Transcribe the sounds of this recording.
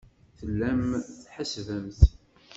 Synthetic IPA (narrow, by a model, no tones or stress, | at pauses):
θəlːæmθħəsvəmθ